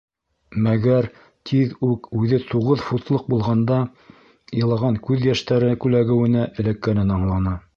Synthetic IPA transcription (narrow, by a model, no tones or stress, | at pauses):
mæɡæɾ | t̪ʰiðʉkʉðɘt̪uʁɤðfut̪lˠɤq̚bulˠʁɑnd̪ɑ | jɤ̆lˠɑʁɑŋkʉðjæʃt̪æɾɘkʉlæɡɘ̆wɘ̆næʔɘ̆lækːænɘnɑɴlˠɑnɑ